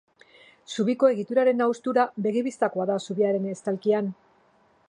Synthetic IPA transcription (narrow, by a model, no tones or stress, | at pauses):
suβiko̞e̞ɣit̪uɾaɾe̞nawst̪uɾabe̞ɣiβist̪ako̞aðasuβiaɾe̞nest̪alkian